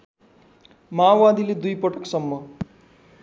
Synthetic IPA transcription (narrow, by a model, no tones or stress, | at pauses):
mawad̪iled̪ujpʌʈʌksʌmːʌ